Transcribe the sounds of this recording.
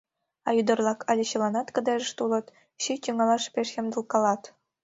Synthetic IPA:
ɑjyd̪ɤ̆rlˠɑkʰɑlʲĕɕɤ̆lˠɑnɑt̪kɤ̆d̪ɑʒə̆ʃt̪ulˠɤ̆t̪ | ɕit̪ʲuŋɑlˠɑʃpʲeʃjʲĕmd̪ɤ̆lˠkɑlˠɑt̪

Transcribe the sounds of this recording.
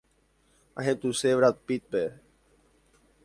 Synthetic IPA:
a̰ɦẽt̪useʋɾat̪̚pit̪̚pe

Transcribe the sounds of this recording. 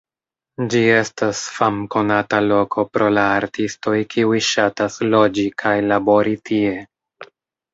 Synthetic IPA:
d͡ʒie̞stasfamko̞natalo̞kʰo̞pɾo̞laːɾtisto̞jkʰiujʃataslo̞d͡ʒikʰajlabo̞ɾitʰie̞

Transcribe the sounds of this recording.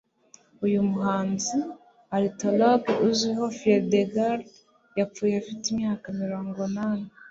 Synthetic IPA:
ujumuɦaːnzi | aɾitoloɡuziɦofieɾdeɡaɾ | jap͡fuːjeafitimɲaːkamiɾo̞ːŋɡonane

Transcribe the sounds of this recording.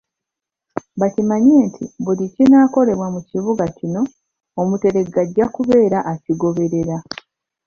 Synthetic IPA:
βacimaɲeːntʰḭβulicinaːko̞le̞βwamuciβuɡacino̞ː | mute̞ɾe̞ɡaɟːakuβe̞ːɾaʔːciɡo̞βe̞ɾe̞ɾa

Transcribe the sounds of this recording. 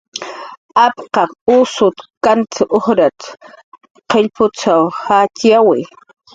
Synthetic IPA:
apqɑqʊsʊt̪kant̪ɪʔoχɾat̪ | qeʎpʊt͡sawhat͡ʃjawɪ

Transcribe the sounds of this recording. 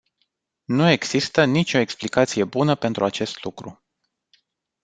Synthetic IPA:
nue̞ɡz̥ist̪ənit͡ʃʲo̞e̞ksplikat̪sije̞bunəpe̞nt̪ɾuat͡ʃe̞st̪lukɾṵ

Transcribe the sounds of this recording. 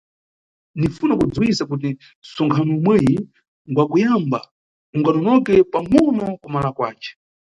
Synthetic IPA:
nifunakud͡zuwisakut̬i | sɔŋkʰanɔimwɛji | ŋɡwakujamba | uŋɡanɔnɔkɛpamɔnɔkumalakwa̰ːt͡ʃɛ̥

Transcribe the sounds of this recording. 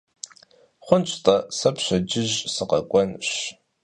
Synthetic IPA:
χʷʊnt͡ʃʷʼtʼɐsɐpʰɕʷɐd͡ʒɪʑsɨqɐkʷʼɔnɕ

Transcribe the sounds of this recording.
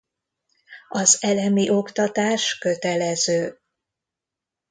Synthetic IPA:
ɒzɛlɛmiʔo̞kt̪ɒt̪aːʃkø̞t̪ɛlɛzøː

